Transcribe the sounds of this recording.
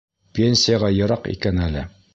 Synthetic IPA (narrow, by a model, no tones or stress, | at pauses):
pʲenʲsʲɪjaʁɑjɤ̆ɾɑqḭkænælɘ